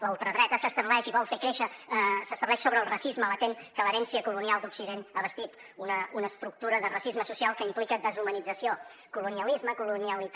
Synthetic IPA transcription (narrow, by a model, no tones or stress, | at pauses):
ləulˠt̪ɾəðɾɛt̪əsəst̪əβlɛʃiβɔlˠfekɾeʃəsəst̪əβlɛʃsoβɾəːlˠrəsizmələt̪eŋkələɾɛnsiəkulunialˠd̪uksiðenəβəst̪it̪ | unəunəːst̪ɾuk̚t̪uɾəðərəsizməsusialˠkəimplikəd̪əzumənid͡zəsio | kuluniəlizməkuluniəlit̪